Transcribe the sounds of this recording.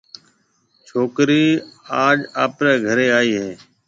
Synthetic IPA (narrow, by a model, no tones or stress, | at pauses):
t͡ʃʰoːkɾiːaːd͡ʒaːpɾeːɡʱəɾeːaːiːɦɛː